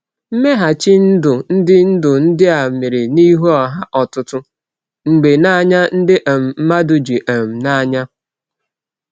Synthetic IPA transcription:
m̩˦me˦ɦa˨t͡ʃi˦n̩˦dʊ˨n̩˦dɪ˦n̩˦dʊ˨n̩˦dɪ˦a˨me˨ɾɪ˨ni˦ɦu˦ɔ˨ɦa˦ʔɔ˨tʊ˦tʊ˦ | ŋ͡m̩˨ɡ͡be˨na˦ɲa˦n̩˦dɪ˦ʔa˨m̩˨m̩˦ma˦dʊ˨d͡ʒi˨ʔe˨m̩˨na˦ɲa˦

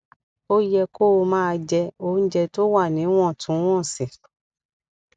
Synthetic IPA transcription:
o˦jɛ˧ko˦o˧mãː˦˧d͡ʒɛ˧o˧˦n̩˦d͡ʒɛ˧to˦wa˦˨nĩ˨˦w̃ɔ̃˦˨tʰũ˨˦w̃ɔ̃˦˨si˨

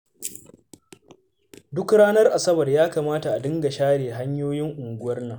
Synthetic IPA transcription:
dʊ˦kɽaː˦nɐ˦rʔa˨sɐ˦bɐ˨rjaː˦kaː˨maː˦ta˨ʔa˨dɪ˦ŋɡa˨ʃaː˦ɽeː˨ɦa˦ɲjoː˦jɪ˦ŋʔʊ˨ŋɡʷʊ˦wɐ˦rna˨

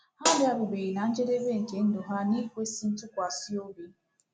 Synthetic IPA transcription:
a˦dɪ˦a˨bʊ˨bi˨ɣi˨na˨n̩˦d͡ʒe˦de˦be˦ŋ̩˨ke˨n̩˦do˨ɦa˦ni˦kʷe˦si˦n̩˦tʊ˦kʷa˨si˦o˦bi˦

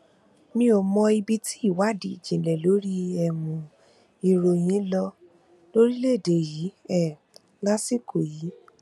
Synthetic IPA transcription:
mĩ˧o˨mɔ̃˧i˧bi˧ti˦i˦˨wa˨˦dḭ˨d͡ʒĩ˨lɛ˨lo˨˦ɾi˦ɛ˧˨mũ˨ | i˨ɾo˧j̃ĩ˨˦lɔ˧ | lo˦ɾi˦le˦˨de˨ji˨˦ɛ˦˨ | la˦si˦ko˨ji˨˦

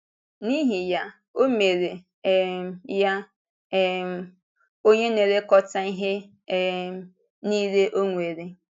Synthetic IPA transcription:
ni˦ɦi˨ja˦ | o˦me˨ɾe˨ | ɛ˨mja˦ | m˨˦ | o˦ɲe˦ne˨ɾe˦kɔ˦ta˦i˦ɦe˦ | ni˦ɾe˦ʔo˦ŋʷe˨ɾe˨

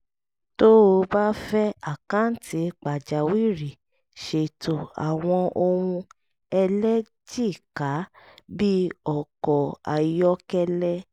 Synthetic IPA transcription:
to˦o˧ba˦fɛ˦a˨kã˦n̩˦tʰi˨˧˦k͡pa˨d͡ʒa˨wi˦˨ɾi˨ | ʃe˨to˨a̰˨w̃ɔ̃˧o˧hũ˧ | ɛ˧lɛ˦ | d͡ʒi˦˨ka˨˦ | bi˦ɔ˨kɔ˨a˨jɔ˦kɛ˦lɛ˦

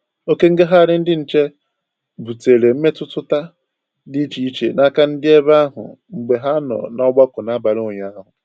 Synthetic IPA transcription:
o˦ke˦ŋ̩˦ɡe˦ɦa˦˨ɾɪ˦n̩˦dɪ˦n̩˨t͡ʃe˦ | bu˨te˨ɾe˨m̩˦me˦tʊ˦tʊ˦ta˦ | di˦t͡ʃi˦i˦t͡ʃḛ˨na˦ka˦n̩˦dɪ˦e˦ba˦ɦʊ̰˨ŋ͡m̩˨ɡ͡be˨ɦa˦nɔ̰˨nɔ˦ɡ͡ba˦kʊ˨na˦ba˨ɾo˨ɲa˦a˦ɦʊ˨

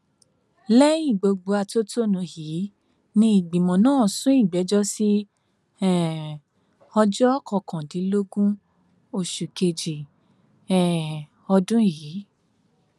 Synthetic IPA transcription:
lɛ˦ĩ˦˨ɡ͡bo˧ɡ͡bo˧a˧to˦tʰo˦nũ˨˧hi˨˦ | nĩ˧˦i˦˨ɡ͡bĩ˨mɔ̃˨nãː˦˨sũ˦i˦˨ɡ͡bɛ˨˦d͡ʒɔ˦si˦ | ɛ˨ | ɔ˧d͡ʒɔ˦ɔ˦kʰɔ̃˨˧˨kʰã˨di˨˦lo˦ɡũ˦ | o˧˨ʃu˨ke˧d͡ʒi˨ | ɛ˨ | ɔ˧dũ˦jiː˨˦

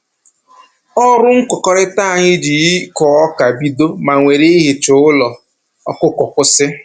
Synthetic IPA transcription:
ɔ˦ɾʊ˦ŋ̩˦kɔ˨kɔ˨ɾɪ˦ta˦˨ɲɪ˦d͡ʒi˨˦kɔ˨ɔ˦ka˨bi˦do˦ma˨ŋʷe˨ɾe˦i˦ɦɪ˨t͡ʃʊ˨˦ʊ˦lɔ˨ | ɔ̰˦kʊ˦kɔ˨kʷʊ˦sɪ˦

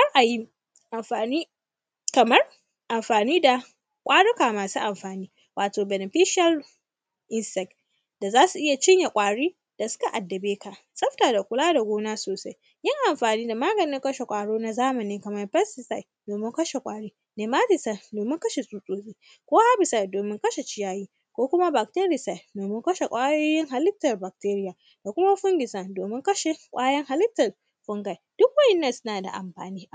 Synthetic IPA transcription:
ha˦rʔa˨ji˦ | ʔa˨mɸaː˨niː˦ | kɐ˨mɐ˦r | ʔa˨mɸaː˨niː˦da˨ | kʷʼaː˦ɽʊ˦kaː˨maː˨suː˦ʔa˨mɸaː˨niː˦ | wʔaː˨toː˨bɛ˨ne˨ɸi˦ʃa˦l | ʔɪ˦nsɛ˦k | da˨zaː˦su˨ʔɪ˦ja˨t͡ʃɪ˦ɲja˨kʷʼaː˨ɽiː˦ | d̥a˨sʊ̥˦ka˨ʔa˨dːɐ˨beː˦ka˨ | sʼɐ˦ɸtaː˨da˨kʷʊ˦laː˦da˨ɡʷoː˦naː˦soː˨sa˦j | jɪ˦ŋʔa˨mɸaː˨niː˦da˨maː˦ɡɐ˨nɪ˦ŋkɐ˦ʃe˨kʷʼaː˨ɽoː˦na˨zaː˦mɐ˨niː˦kɐ˨mɐ˦rɸɛ˦sɪ˨sa˦˨jdoː˨mɪ˦ŋkɐ˦ʃe˨kʷʼaː˦ɽiː˦ | neː˨maː˦tɪ˨sa˨doː˨mɪ˦ŋkɐ˦ʃe˨sʼuː˦sʼoː˦zʼeː˦ | kʷoː˦ha˦bɪ˨sa˨jdoː˨mɪ˦ŋkɐ˦ʃe˨t͡ʃɪ˦jaː˦jiː˦ | kʷoː˦kʷʊ˦ma˦ba˨k̚te˦ɾɪ˨sa˨jdoː˨mɪ˦ŋkɐ˦ʃe˨kʷʼaː˦joː˦jɪ˦ŋɦa˨lɪ˦tːɐ˨rba˨k̚teː˦ɾɪ˦jaː˨ | d̥a˨kʷʊ˦ma˦ɸʊ˦ŋɡʲɪ˨sa˨doː˨mɪ˦ŋkɐ˦ʃe˨kʷʼaː˦jɐ˦ŋha˨lɪ˦tːɐ˨r | ɸʊ˦ŋɡa˨jd̥ʊ˦k̚wɐ˦ʔɪ˦nːɐ˦˨nsʊ˦naː˨da̰˨ʔa̰˨mɸa̰ː˨niː˦˨

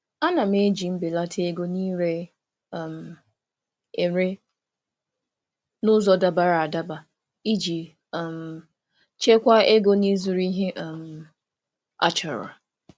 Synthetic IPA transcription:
a˦na˨m˦e˦d͡ʒi˨m̩˦bɪ˨la˦tʰe˦e˦ɡo˦niː˦ɾe˦˨ | m̩˨ | e˨ɾe˦ | nʊ˦zɔ˨da˨ba˨ɾa˨a˨da˦ba˨ | i˦d͡ʒi˨ | m̩˨ | t͡ʃe˦kʷa˦e˦ɡo˦ni˦zu˨ɾi˦ɦe˦ʔm̩˨ | a̰˦t͡ʃɔ˨ɾ̰a˨

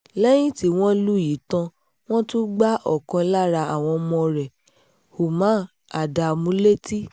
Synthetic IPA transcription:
lɛ˦j̃ĩ˦ti˦w̃ɔ̃˦lu˦ji˨˦tã˧ | w̃ɔ̃˦tũ˦ɡ͡ba˦ʔɔ˦˨kã˧la˦ɾa˧a˦˨w̃ɔ̃˧mɔ̃˧ɾɛ˨ | ho˨mã˨˦ | a˨da˧˨mũ˨˦le˦ti˦

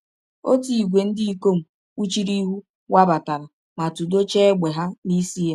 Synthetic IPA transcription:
o˦ti˨i˨ɡʷe˨n̩˦di˦i˦ko˦m̩˨ | u˦t͡ʃi˦ɾi˦ɦu˦ | wa˦ba˨ta˨ɾa˨ | ma˨tu˨do˦t͡ʃe˦ɡ͡be˨ɦa˦ni˦si˦ja˨

